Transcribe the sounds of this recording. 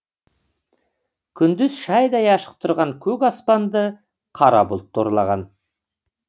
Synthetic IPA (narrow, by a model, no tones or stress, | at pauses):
kʲʰʏnd̪ɪzʃɑjd̪ɑjɑʃə̥q̚t̪ʰʊɾʁɑŋkʲʰɵkʲɑspɑnd̪ə | qʰɑɾɑ̰bʊlˠt̪ʰːoɾlˠɑʁɑn